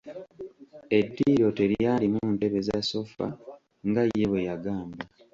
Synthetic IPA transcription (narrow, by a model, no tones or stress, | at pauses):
e̞dːiɾo̞te̞ɾjaːlimunte̞βe̞zaso̞fa̰ | ŋɡajːe̞βwe̞jaɡaːmba